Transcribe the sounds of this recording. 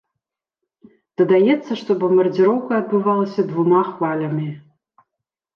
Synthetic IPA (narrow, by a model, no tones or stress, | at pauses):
d̪̥ɐd̪ajɛt̪sːɐʂt̪obɐmbɐrd͡zʲiɾowkɐːd̪̚bɨvalˠɐsʲɐd̪vumaχvalʲɐmʲi